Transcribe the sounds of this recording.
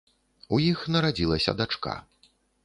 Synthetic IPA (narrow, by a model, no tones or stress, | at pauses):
ujixnɐɾad͡zʲilˠɐsʲɐ̰d̪at͡ʂka̰